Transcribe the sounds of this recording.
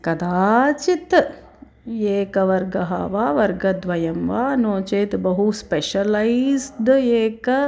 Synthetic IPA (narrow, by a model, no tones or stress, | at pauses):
kɐd̪aːt͡ʃit̪ | eːkɐʋɐɾɡɐɦɐ̰ʋaːʋɐɾɡɐd̪ʋɐjɐmʋaːnoːt͡ʃeːt̪bɐɦuspeʃɐlɐizd̪eːkɐ